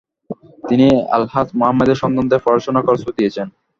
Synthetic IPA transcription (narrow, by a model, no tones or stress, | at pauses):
t̪inia̰lhat̪moɦamːad̪eɾʃɔnd̪ont̪eɾfɔɾoʃonakɔɾsod̪ijet͡ɕʰen